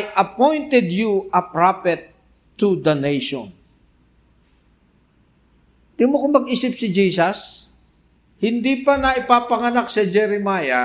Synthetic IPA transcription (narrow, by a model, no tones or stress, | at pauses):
jʔɐpojnt̪ɛd̪juɐpɹafɛt̪ː | ud̪ɐnejʃɔ̰n | d̪̥imokʊmːɐɡiːsɪpsɪd͡ʒiːsɐs | hɪnd̪iːpɐnɐʔɪpaːpɐŋɐnaksɛd͡ʒɛɾɛmaːja